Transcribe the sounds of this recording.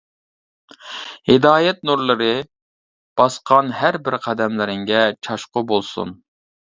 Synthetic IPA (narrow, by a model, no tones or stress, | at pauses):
hɪd̪ɑːjɛt̪̚nuɾlˠɨɾɨ | b̥ɑsqʰɑnhæɾbɪɾqʰæd̪ɛmlɪɾɪŋɡʲɛt͡ʃʰɑʃqʊbolˠsṵn